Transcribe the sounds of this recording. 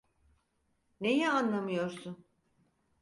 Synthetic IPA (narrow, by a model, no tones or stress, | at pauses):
ne̞jɛanlˠamɯjo̞ɾsun